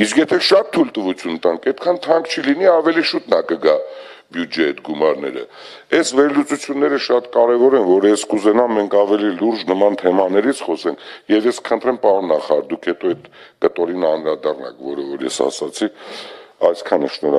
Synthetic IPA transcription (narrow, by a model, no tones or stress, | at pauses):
iskjɛt̪ʰɛʃɑt̪ʰːult̪əvut͡sʰjunt̪ɑŋkɛt̪̚kʰɑnt̪ʰɑŋkt͡ʃʰiliniɑvɛliʃut̪nɑkəɡɑbjud͡ʒɛɛt̪ɡumɑɾnɛ̰ɾə̰ | ɛsvɛɾlut͡sut͡sʰjunːɛɾəʃɑt̪kɑɾɛvɔɾɛnvɔɾɛskuzɛnɑmːɛŋkʰɑvɛliluɾd͡ʒnəmɑnt̪ʰɛmɑnɛɾit͡sʰχɔsɛŋkʰjɛvjɛskʰə̥χənt̪ɾɛmpɑɾɔnːɑχɑɾɑɾd̪ukʰhɛt̪ɔɛt̪kət̪ɔɾinɑnɾɑd̪ɑrnɑ̰kvɔɾəvɔɾjɛ̰sɑ̰sɑt͡sʰikɑjskʰɑnəʃnɔɾ